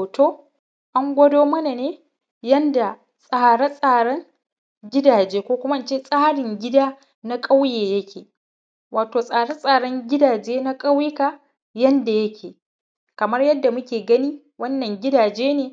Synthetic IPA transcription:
toː˦ | ʔa˦ŋɡʷɐ˦doː˦mɐ˦na˨neː˦ | jɐ˦nda˨ | sʼaː˦˨ɽe˦sʼaː˨ɽɐ˦ŋ | ɡʲɪ˦daː˨d͡ʒeː˦kʷoː˦kʷʊ˦ma˦ʔa˦nt͡ʃeː˦sʼaː˦ɽɪ˨ŋɡʲɪ˦daː˦ | na˦kʼa˦wjeː˨jɐ˦kʰʲeː˨ | waː˨toː˨sʼaː˨ɽɐ˦sʼaː˨ɽɐ˦ŋɡʲɪ˦daː˨d͡ʒeː˦na˦kʼa˦wjɪ˦ka˨ | jɐ˦nda˨jɐ˦kʲʰeː˨ | kɐ˨mɐ˦rjɐ˦dːa˨mʊ˦kʲeː˨ɡɐ˦niː˦ | wɐ˦nːɐ˨ŋɡʲɪ˦daː˨d͡ʒeː˦neː˨

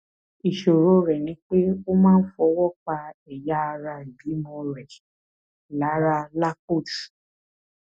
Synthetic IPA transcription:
i˨ʃo˨ɾo˨˧ɾɛ˨nĩ˨˦k͡pe˦o˦mãː˦n̩˦fɔ˧˦wɔ˦˨k͡pa˧ɛ˨ja˦˧ɾa˧i˨bi˨˦mɔ̃˧ɾɛ˨ | la˨˦ɾa˧la˦ko˦˨t

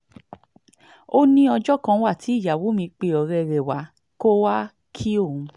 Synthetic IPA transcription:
o˦nĩ˦ɔ˧d͡ʒɔ˦kã˦˧wa˦˨ti˨˦i˦˨ja˨wo˨˦mĩ˧k͡pe˧ɔ˨ɾɛ˧ɾɛ˨wa˨˦ | ko˦wa˦ | kʰi˦o˦˨ũ˨˧

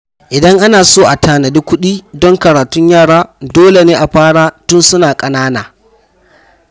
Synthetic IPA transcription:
ʔɪ˨dɐ˦ŋʔa˦naː˨soː˦˨ʔa˨tʰaː˨nɐ˨di˦kʷʊ˦ɗiː˦dɔ˦ŋkɐ˨ɽaː˨tʊ˦ɲjaː˦˨ɽaː˦doː˦le˨neː˦ʔa˨ɸaː˦ɽaː˦tʊ˦nsʊ˦naː˨kʼɐ˨naː˦naː˨

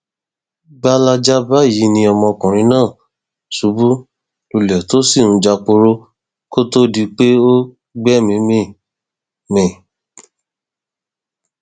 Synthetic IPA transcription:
ɡ͡ba˦la˧d͡ʒa˦ba˦ji˨˦nĩ˧ɔ˧mɔ̃˧kũ˨ɾ̃ĩ˧˦nãː˦˨ | su˨˦bu˦ | lu˧lɛ˨to˦si˦˨ñ̩˧˦d͡ʒa˧k͡po˧ɾo˧ | ko˦to˦di˧k͡pe˦o˦ | ɡ͡bɛ˦mĩ˧˦mĩ˦ | mĩ˨

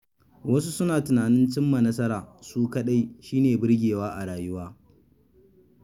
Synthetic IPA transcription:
wɐ˦su˦sʊ˦naː˨tʊ˨naː˨nɪ˦nt͡ʃɪ˦mːa˨nɐ˦sɐ˦ɾaː˨suː˦kɐ˦ɗa˦jʃiː˦neː˨bɪ˦ɽɡʲeː˨waː˦ʔa˨ɽaː˨jʊ˦waː˦

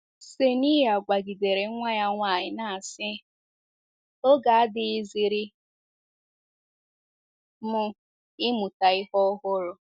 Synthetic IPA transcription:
se˨ni˦ɦa˨ɡ͡bʷa˨ɡi˨de˨ɾe˨˦ŋʷa˦ɲa˦ŋʷa˨ɲɪ˨na˨sɪ˦ | o˦ɡa˨a˦dɪ˦ɪ˦zi˨ɾɪ˦ | mʊ˦ | ɪ˦mʊ˨ta˨ɪ˦hɔ˦ɦʊ˦ɾʊ˦

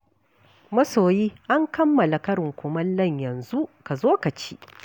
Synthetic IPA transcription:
mɐ˦soː˨jiː˦ʔa˦ŋkɐ˦mːɐ˨la˨kɐ˦ɽɪ˨ŋkʷʊ˨mɐ˦nlɐ˦˨ɲjɐ˨nzu˦ʔka˨zoː˦kɐ˨t͡ʃiː˦

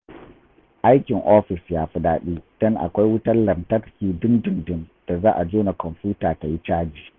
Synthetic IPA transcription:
ʔa˦jkʲɪ˨ŋʔoː˦ɸɪ˨sjaː˦ɸʊ˨ɗaː˦ɗiː˦d̥ɔ˦ŋʔa̰˨kʷa˦jwʊ˦tɐ˦rlɐ˨ntɐ˦ɾkʲiː˨dʊ˦ndʊ˨ndʊ˦nd̥a˨zaː˦ʔa˨d͡ʒoː˦na˨kɔ˨mɸjuː˦taː˨ta˨ji˦t͡ʃaː˦d͡ʒiː˨

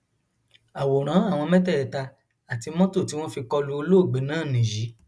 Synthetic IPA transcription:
a˨wo˨ɾ̃ã˨˦a˦˨w̃ɔ̃˧mɛ̃˦tɛ˦˨ɛ˨ta˧ | a˨ti˧mɔ̃˦to˦˨ti˦w̃ɔ̃˦fi˧kɔ˧lu˦o˧lo˦o˦˨ɡ͡be˨˦nãː˦˨nĩ˨ji˨˦

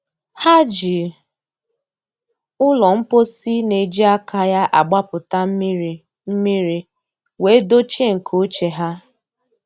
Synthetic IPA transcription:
ha˦d͡ʒi˨ | ʊ˦lɔ˨m̩˦po˦si˦ne˨d͡ʒi˦a˦kʰa˨ja˦ʔa˨ɡ͡ba˦pʊ˨ta˦˨ | m̩˦mi˦ɾi˦ | we˨˦do˦t͡ʃe˦ŋ̩˨kʰo˦t͡ʃe˨ɦa˦

